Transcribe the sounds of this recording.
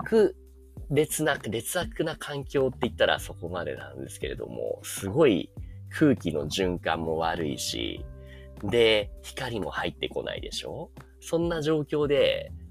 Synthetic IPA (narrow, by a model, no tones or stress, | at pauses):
kɯ̟ | ɾe̞t͡sɨnakɯɾe̞t͡sɨakɯ̟nakʰãŋkʲo̞ːt̪ːe̞it̪ːaɾa̰so̞ko̞mad̪e̞̰nã̰nd̪e̞sɨ̥ke̞ɾe̞̰d̪o̞̰mo̰sɨɡo̞ḭkʰɯ̟ːkʲino̞ʑɨ̃ŋkãmːo̞βaɾɯ̟ḭɕḭ | d̪e̞çi̥kaɾʲimo̞hait̪ːe̞ko̞na̰ḭd̪e̞̰ɕo̞̰ː | sõ̞nːaʑo̞ːkʲo̞ːd̪e̞